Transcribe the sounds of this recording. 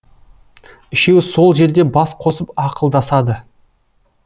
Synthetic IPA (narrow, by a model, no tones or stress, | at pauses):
ɪʃe̞wso̞lˠʒe̞ɾd̪e̞bɑsqʰo̞səpɑqəlˠd̪ɑsɑd̪ə